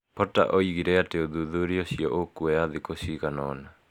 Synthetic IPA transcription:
pɔta̰ʔoiɣiɾɛateoðuðuɾioɕijɔʔokuejaðikosiɣanɔna

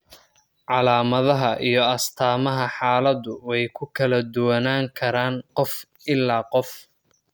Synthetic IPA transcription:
ʕɑlaːmɐðɐɦɐʔḭjɞɐst̪ʰaːmɐɦɐħaːlɐd̪ʊwɛjkʰʊkʰɐlɐd̪ʊwɐnaːŋkʰɐɾaːnqɔf | ɪlːaːqɔf

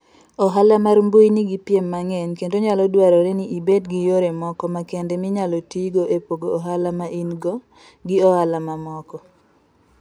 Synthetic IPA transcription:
ɔɦalamarmbujiniɡipjemːaŋenkentoɲalɔdwaɾɔɾeniʔibedɡijoɾemɔkɔmakendemɪɲalɔtiɡoʔepoɡoːɦalamaʔinɡɔ | ɡɪɔhalamamɔkɔ

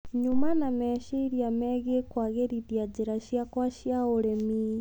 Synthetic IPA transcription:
ɲumanamɛʃeɾiamɛɣekwaɣeɾidiad͡ʒiɾaʃjakwaʃiaoɾɛmi

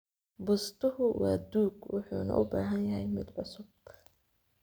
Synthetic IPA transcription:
bʊst̪ʰʊɦʊwɑːd̪uːɡwʊħuːnɐ̰ʔʊbaːɦɐnjɐɦɛjmɪd̪ʕʊsʊb̥̚kʰ

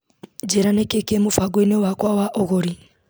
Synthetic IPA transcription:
d͡ʒeɾanekekemufaɡwenewakwawaʔoɣoɾi

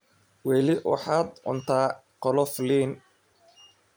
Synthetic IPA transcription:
wɛːlɪwɑ̰ħaːd̪ʕʊ̰nt̪ʰaː | qɔlɔfliːn

